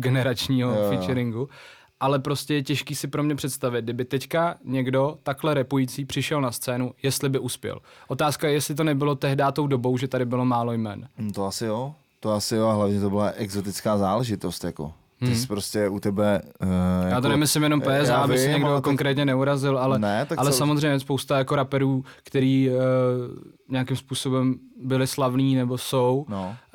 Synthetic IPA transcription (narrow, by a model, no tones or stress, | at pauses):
ɡɛnɛɾat͡ʃɲiːɦofɪt͡ʃɛɾɪŋɡu | ʔalɛpɾo̞scʲɛjɛcɛʃkiːsɪpɾomɲɛpr̝̥ɛt̪st̪avɪt̪̚ɡdɪbɪt̪ɛckaɲɛɡdo̞t̪aklɛɾɛpujit͡siːpr̝̥ɪʃɛlnast̪t͡sɛːnujɛst̪lɪbɪʔuspjɛ̰lʔo̞t̪aːskajɛjɛst̪lɪt̪o̞nɛbɪlo̞t̪ɛɦdaːt̪o̞wdo̞bo̞wʒɛt̪adɪbɪlo̞maːlo̞jmɛnnt̪oasɪjo | t̪oasɪjoaɦlavɲɛt̪obɪlaʔɛɡzot̪ɪt͡skaːzaːlɛʒɪt̪ost̪jako̰ | ɪspɾoscɛut̪ɛbɛ | jajaːt̪onɛmɪslɪmjɛnompɛːzaabɪsɪɲɛɡdoko̞ŋkɾɛːt̪ɲɛnɛuɾazɪlʔalɛnɛt̪aalɛsamozr̝ɛjmɲɛspowst̪ajako̞ɾapɛɾuːkt̪ɛɾiː | ɲeakɪmspuːso̞bɛmbɪlɪslavniːnɛbo̞sowno